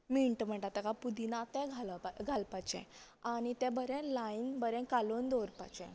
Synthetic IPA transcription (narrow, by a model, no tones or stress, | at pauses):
miɳʈm̤əɳʈat̪akapud̪inat̪ɛ̃ɡʱalaɡʱalpat͡ɕɛ̰̃ | añit̪ɛ̃bəɾɛ̃lainbəɾɛ̃kalond̪oɾpa̰t͡ɕɛ̰̃